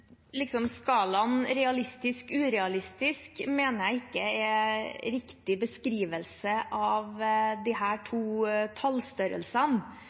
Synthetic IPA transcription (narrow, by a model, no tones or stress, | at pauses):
lɪksɔmskɑːlɑnɾɛɑlɪst̪ɪskʉːɾɛɑlɪst̪ɪskmeːnəɾjæɪɪkːəɛɾɪkt̪ɪbəskɾiːʋəlsəʔɑʋd̪iɦæːʈʰuːt̪ʰɑlst̪œɾə̰lsən